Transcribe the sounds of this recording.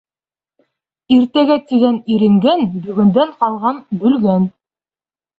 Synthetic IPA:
iɾt̪æɡæt̪iɡæniɾɘ̆ŋɡænbɵ̆ɡɵ̆nd̪æɴqɑlˠʁɑnbɵ̆lɡæn

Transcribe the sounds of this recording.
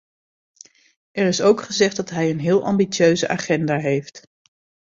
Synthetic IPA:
ɛrɪsowkχəzɛχdɑtɦɛjənɦɪːlˠʔɑ̰mbit͡ʃøɥzəʔaːχɛndaːɦejft

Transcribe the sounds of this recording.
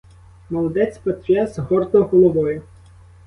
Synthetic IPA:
mɔlˠɔd̪ɛt͡sʲpɐt̪ʲɾʲɛzɦɔrt̪ɔɦɔlˠɔʋɔjʊ

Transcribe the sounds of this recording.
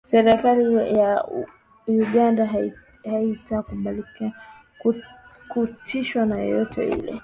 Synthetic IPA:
sɛɾɛkalija | uɠanda | haitaːkuɓali | kutʰiʃwanajɔ̰jɔtʰɛ̰ḭlɛ̰

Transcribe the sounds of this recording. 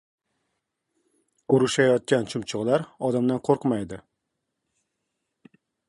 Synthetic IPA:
ʊɾɪʃajɒt̪̚kʲant͡ʃʰʊmt͡ʃʰʊʁlˠaɾɒd̪amd̪anqʰoɾqmajd̪ɪ

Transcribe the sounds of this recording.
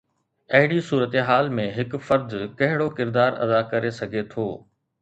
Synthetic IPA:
ɐɦɪɽisuːɾət̪eɦaːlmẽɦɪkfɐɾd̪kɐɦɪɽokɪɾd̪aːɾɐ̰d̪akɐɾesɐɡʱet̪ʰoː

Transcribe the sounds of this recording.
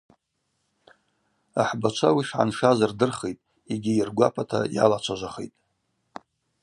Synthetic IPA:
aħbat͡ʃʷʰawiʂʕa̰nʂazardɨrχejtʼ | iɡʲiirɡʷapʰatʰa̰ja̰lat͡ʃʷʰaʒʷaχejtʼ

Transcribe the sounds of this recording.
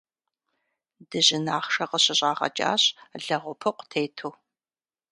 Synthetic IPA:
d̥ɨʑɪnaːχʂɐqəɕɪɕʼɑːʁɐ̰t͡ʃʼa̰ːɕʼɮɐʁʷʊpʰɨqʷtʰeːtʰuː

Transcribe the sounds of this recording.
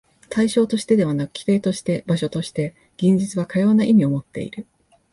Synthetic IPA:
t̪aiɕo̞ːt̪o̞ɕi̥t̪e̞d̪e̞β̞anakɯ̟̥kʲi̥t̪e̞ːt̪o̞ɕi̥t̪e̞baɕo̞t̪o̞ɕi̥t̪e̞ | ɡ̥ʲẽ̞ɲ̟d͡ʑit͡sɨβakajo̞ːnaʔimʲio̞mo̞t̪ːe̞̰ḭɾɯ̟

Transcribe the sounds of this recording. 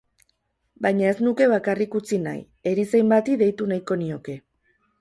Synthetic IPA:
bajɲae̞znuke̞βakarikut͡sina̰j | e̞ɾisejmbat̪iðe̞jt̪unajko̞nio̞ke̞

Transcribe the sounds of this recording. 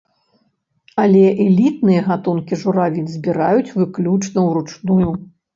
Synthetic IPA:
ɐlʲɛʔɛlʲit̪̚nɨjɐɣat̪unkʲiʐuɾavʲinʲzʲbʲiɾajut͡sʲvɨklʲut͡ʂnɐwrut͡ʂnuju

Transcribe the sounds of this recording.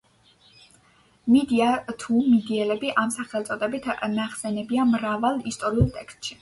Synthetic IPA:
mid̪iat̪ʰumid̪iɛlɛbiʔamsaχɛlˠt̪sʼɔd̪ɛbit̪ʰnaχsɛnɛbiamɾavalˠist̪ʼɔɾiulˠt̪ʼɛkst̪ʼʃi̥

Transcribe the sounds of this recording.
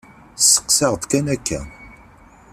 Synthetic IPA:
θsə̥qsɑʁd̪kænækːæ̰

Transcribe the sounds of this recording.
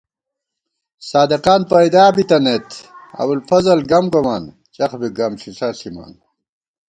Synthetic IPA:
saːd̪eqaːnpɐjd̪aːbit̪ɐnet̪ɐ̰wulfɐzɐlɡɐmɡomaːn | t͡ɕɐxbiɡɐmɕisɐsima̰ːn

